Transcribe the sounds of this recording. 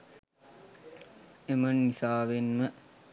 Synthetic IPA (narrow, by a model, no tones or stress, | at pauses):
emənːisaːʋenmə